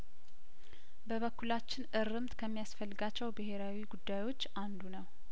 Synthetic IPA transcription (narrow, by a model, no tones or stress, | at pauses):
bəβəkːulat͡ʃːɪnʔɨɾːɨmt̪kʰəmːijasfəlːɨɡat͡ʃːɛwbɨɦe̞ɾawiɡud̪ːajwo̞t͡ʃːand̪unəw